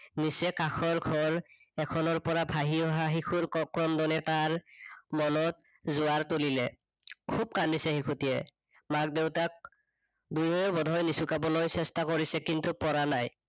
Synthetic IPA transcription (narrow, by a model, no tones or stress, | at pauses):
nisɛkakʰɔɹɡʱɔɹ | ɛkʰɔnɔɹpɔɹabʱaɦiɔɦaɦikʰuɹkɔkɹɔmdɔnɛtaɹmɔnɔt̚ | zʊaɹtolilɛ | kʰub̚kandisɛxikʰutijɛ | mak̚dewtak̚ | dujɔbɔdʱɔjnisukabɔlojsɛstakɔɹisɛkintupɔɹanaj